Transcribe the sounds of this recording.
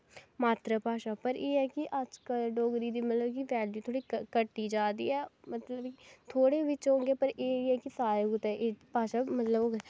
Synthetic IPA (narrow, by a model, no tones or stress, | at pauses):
maːt̪ɾaːpaːʃaːpəɾeːɛːkɪʔəd͡ʒkəlɖoːɡɾiːd̪iːmət̪ləbkɪʋɛːljuːt̪ʰoːɽiːkəʈːiːd͡ʒaːd̪ḭːɛːmət̪ləbkɪt̪ʰoːɽeːʋɪt͡ʃɦõːɡeːpəɾeːɛːkɪsaːɾeːɡʊt̪ɛ̃ʔepaːʃaːmət̪ləboːɡ